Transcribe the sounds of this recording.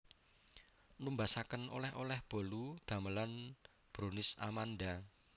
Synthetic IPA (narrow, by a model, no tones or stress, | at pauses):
numbasakənʔo̰lɛhʔolɛhb̥o̤lud̪̥a̤məlan | b̥ɾonɪsa̰manda